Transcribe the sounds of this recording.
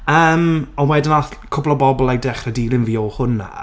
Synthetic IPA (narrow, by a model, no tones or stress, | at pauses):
əːmɔnwɛdɪnaθkʰʊblˠɔbɔbɔlˠajdɛχrədiːlˠɪnviːɔhʊna̰